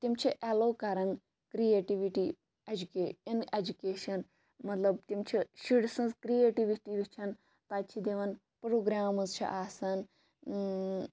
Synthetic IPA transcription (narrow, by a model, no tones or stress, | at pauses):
t̪imt͡ʃʰiʔeloːkɐɾɐn | kɾijeːʈiʋiʈi | ed͡ʒukeːined͡ʒukeːʃɐn | mɐt̪lɐbt̪imt͡ʃʰiʃiɽsɐ̃nzkɾieːʈiʋiʈiʋit͡ʃʰɐn | t̪aːt͡ʃʰid̪eʋɐn | pɾoːɡɾaːmɨzt͡ʃʰḭʔaːsɐn